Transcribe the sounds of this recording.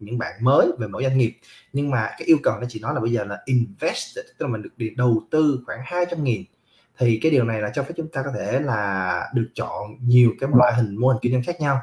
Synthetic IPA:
ɲɨ̰˧˥ŋɓa̰ː˧˨nməː˨˦jve˨˩mo̰˧˥˩jzwa˧ŋ̟ŋi˨˩əp̚ | ɲɨ˧ŋmaː˨˩kaː˨˦jʔi˧əwkə˨˩wnɔ˨˦t͡ɕḭ˧˩nɔ˨˦jlaː˨˩ɓə˧jzəː˨˩laː˨˩ʔi˨nvɛ˦˥s̚lä˨˩˨ɗɨ˨˩ək̚ɗi˧˩ɗə˨˩wt̪ɨ˧xwaː˧˩ŋhaː˧jt͡ɕa˧mŋi˨˩n | t̪ʰi˨˩kaː˨˦jɗi˨˩əwna˨˩jlaː˨˩t͡ɕɔ˧wfe˨˦˥t͡ɕʊ˨˦ŋ͡mt̪aː˧kɔ˨˦˥t̪ʰe˧˩laː˨˩ɗɨ˨˩ək̚t͡ɕɔ̰˧˨nɲi˨˩əwkaː˨˦jm˧waː˧˨˩ɦï˨˩ŋ̟mo˧hi˨˩ŋ̟ki˧ɲə˧nxaː˦˥k̚ɲa˧w

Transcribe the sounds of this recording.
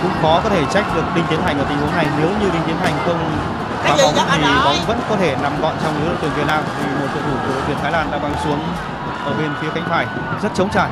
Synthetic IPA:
kʊ̰˧˥ŋ͡mkɔ˨˦kɔ˨˦t̪ʰe˧˩t͡ɕa˦˥jk̚ɗɨ˨˩ək̚ɗï˧ŋ̟t̪i˨˦ənɦa˨˩jŋʔəː˧˩t̪i˨˩ŋ̟hna˧jne˨˦wɲɨ˧ɗï˧ŋ̟t̪i˨˦ənha˨˩jŋ̟xə˧wŋ͡m | aː˨˩ɓa˨˦ŋ͡mt̪ʰi˨˩ɓa˨˦wŋ͡mvə̰˧˥nkɔ˨˦t̪ʰe˧˩na˨˩mkɔ̰˧˨nt͡ɕɔ˧wŋ͡mlɨ̰˨˦lə̰˨t̪ɨ˨˩əŋvi˨˩t̚naː˧mt̪ʰi˨˩mo˨˩t̚t͡ɕʰə̰ː˧˩ɗu˧˩k̪wi˧˩ənt̪ʰaː˨˦jlaː˧˩nɗa̰ː˧˥ŋɓaː˨˦ŋsu˨˦əŋ | ʔəː˧˩ɓe˧nfi˨˦əxa˧˦jŋ̟t̪ʰaː˧˩j | zə˦˥t̚t͡ɕə˨˦wŋ͡mt͡ɕaː˧˩j

